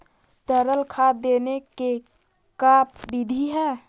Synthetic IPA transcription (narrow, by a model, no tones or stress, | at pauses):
t̪əɾəlkʰad̪eneke | kapbid̪ʱiɦɛ